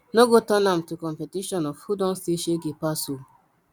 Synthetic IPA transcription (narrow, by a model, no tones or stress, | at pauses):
noɡotɔnam̩tukɔmpetiʃɔnɔffudɔ̃n̩seʃeɡepaso